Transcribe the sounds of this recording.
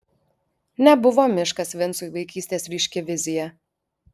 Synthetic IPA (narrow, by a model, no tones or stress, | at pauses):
nʲɛbʊʋoːmʲɪʃkɐsʋʲɪnsuːjʋɐɪkʲiːsʲt̪ʲeːsɾʲiːʃʲkʲɛʋʲɪzʲɪjɛ